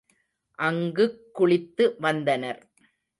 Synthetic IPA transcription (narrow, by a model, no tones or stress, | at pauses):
ʔɐŋɡɯkːʊɭɪt̪ːɯʋɐnd̪ɐnɐɾ